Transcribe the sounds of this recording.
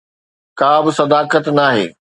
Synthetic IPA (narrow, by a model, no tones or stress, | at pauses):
kaːbɪsɐd̪aːkət̪naːɦḛː